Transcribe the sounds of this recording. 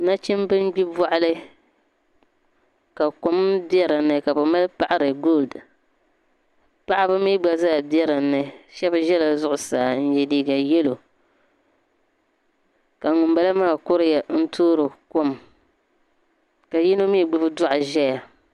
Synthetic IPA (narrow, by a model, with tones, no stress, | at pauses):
na˦t͡ʃɛ˦mbɨ˦n˦ɡ͡bi˦bɔ˦ʔlɨ˦ | ka˨ko˦mbi˦ɛ˦ɾɨ˨nɨ˦ka˨bɨ˨ma˦lɨ˦pa˨ʔa˦ɾɨ˨ɡo˦˨ld | pa˦ʔa˦bɨ˦mi˦ɡ͡ba˦zaː˦˨bi˦ɛ˦ɾa˨nɨ˨ʃɛ˦bɨ˨˦ʒɛ˦la˨zʊ˦ʔʊ˨saː˨n̩˦jɛ˨liː˦ɡa˨jɛ˦lo˨ | ka˨ŋʊ˨mba˦la˦maː˦˨kʊ˦ɾɨ˦ja˨n̩˦tʰoː˦ɾo˨ko˦m | ka˨jɛ˦no˦mi˦˨ɡ͡bɨ˦bɨ˦dʊ˦ʔa˨ʒɛ˦ja˨